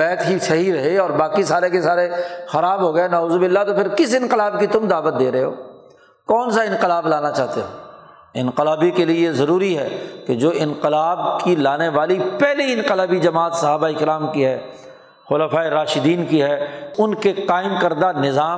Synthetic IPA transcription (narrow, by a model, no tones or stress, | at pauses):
ɛːt̪ɦisɐɦiɾɐɦeɔːɾbaːkisaːɾekesaːɾexɐɾaːbɦoːɡɐjenɐuːzobɪlːat̪opʰɪɾkɪsɪ̃nqɪlaːbkit̪ʊmd̪aːʋət̪̚d̪eːɾɐɦeɦo̰ː | kɔːnsaɪ̃nqɪlaːblaːnat͡ʃaːɦt̪eɦoː | ɪ̃nqɪlaːbikelieezɐɾuːɾiɦɛ̰ːked͡ʒoːɪ̃nqɪlaːb̚kilaːneʋaːlipɛɦliɪ̃nqɪlaːbid͡ʒɐmaːt̪sɐɦaːbaɪkɾaːmkiɦɛː | xʊləfaːeɾaːʃɪd̪iːnkiɦɛːʊnkeqaːɪmkɐɾd̪anɪzaː